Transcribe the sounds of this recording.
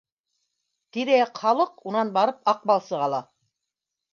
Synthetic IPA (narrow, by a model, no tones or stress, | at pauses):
t̪iɾæqχɑlˠɤqunɑnbɑɾɤp̚ɑq̚bɑlˠsɤʁɑlˠɑ